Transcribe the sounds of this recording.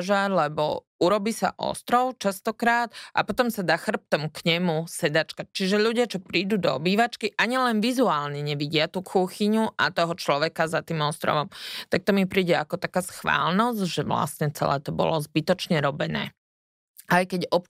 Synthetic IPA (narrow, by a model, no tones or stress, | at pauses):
ʒaɾlɛbɔ̰ | uɾɔbiːsa̰ʔɔ̰st̪ɾɔʊt͡ʃast̪ɔkɾaːd̪ʔa̰pɔt̪ɔmsad̪aːxr̩p̚t̪ɔmukɲɛmusɛd̪at͡ʃkac̚t͡ʃiʒɛʎuɟɪat͡ʃɔpɾiːd̪uːd̪ɔ̰biːʋat͡ʃkiʔaɲilɛnʋizuaːlɲɛɲɛʋiɟɪat̪uːkʰuxiɲuʔat̪ɔɦɔt͡ʃlɔʋɛkazat̪iːmɔst̪ɾɔ̰ʋɔmt̪ak̚t̪ɔmipɾiːɟɛakɔt̪akaːsxʋa̰ːlnɔzɟʒɛʋla̰sɲɛt͡sɛ̰lɛ̰ːt̪ɔbɔ̰lɔzbit̪ɔt͡ʃɲɛɾɔbɛnɛ̰ː | ajkɛɟɔp